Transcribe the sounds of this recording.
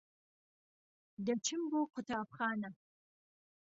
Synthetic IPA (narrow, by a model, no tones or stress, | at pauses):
dɐt͡ʃʰɪmbuqʰʷʊtʰaːpχɑːnɐ